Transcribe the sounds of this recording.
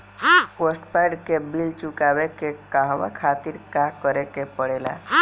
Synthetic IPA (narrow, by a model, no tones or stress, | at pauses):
kosʈpajɖkebilt͡ʃukabekekaɦʋa̰kʰat̪iɾkãkəɾekepəɽela̰